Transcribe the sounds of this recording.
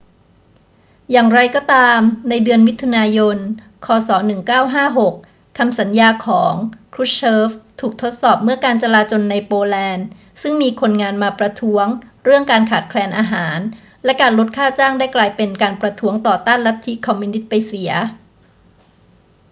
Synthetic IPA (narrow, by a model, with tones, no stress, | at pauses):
jaː˨˩ŋɾa˧jkɔː˥˩t̪aː˧mna˧jdɯ˧ənwi˦˥t̪ʰːu˧naː˧jo˧n | kʰɔː˧sɔː˩˦nɯ˨˩ŋkaː˥˩wɦaː˥˩ɦo˨˩kʰː | a˧msa˩˦njaː˧kʰɔː˩˦ŋkʰɾu˦˥t͡ɕʰɤː˦˥ft̪ʰuː˨˩k̚t̪ʰo˦˥t̪̚sɔː˨˩p̚mɯ˥˩ɐkaː˧nt͡ɕa˧laː˧t͡ɕo˧nːa˧jpoː˧lɛː˧n | sɯ˥˩ŋmiː˧kʰo˧nŋaː˧nmaː˧pɾa˧t̪ʰu˦˥əŋɾɯ˥˩əŋkaː˧nkʰaː˨˩t̪̚kʰlɛː˧nʔaː˧ɦaː˩˦n | lɛ˦˥kaː˧nlo˦˥t̪̚kʰaː˥˩t͡ɕaː˥˩ŋdaː˥˩jklaː˧jpe˧nkaː˧npɾa˧t̪ʰuː˦˥əŋt̪ɔː˨˩t̪aː˥˩nla˦˥t̪ʰːi˦˥kʰːɔ˧mːu˧ni˦˥t̪̚pa˧jsi˩˦ɐ